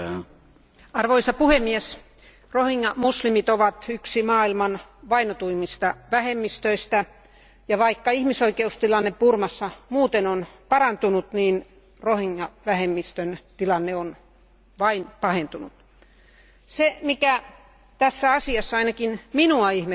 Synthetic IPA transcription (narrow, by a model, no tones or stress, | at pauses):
ɑrʋoisɑpuhemːies | rohiŋːɑmuslimit̪oʋɑt̪yksimɑːilmɑnʋɑinot̪uimːist̪ɑʋæhemːist̪øist̪æ | jɑʋɑikːɑihmisoikeust̪ilɑnːeppurmɑsːɑmuːt̪enonpɑɾɑnt̪unut̪niːn | rohiŋːɑʋæhemːist̪ønt̪ilɑnːeon | ʋɑinpɑhent̪unut̪ | semikæ | t̪æsːæɑsiɑsːɑɑinɑkinminuɑihme